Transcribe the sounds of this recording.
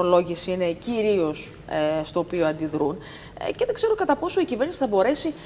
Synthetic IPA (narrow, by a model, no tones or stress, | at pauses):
olo̞ʝiesine̞ciɾio̞s | st̪o̞ːpioɐnd̪iðɾun | ce̞ðe̞ɡze̞ɾokɐt̪ɐpo̞so̞iciveɾnisi̥θɐbo̞ɾe̞si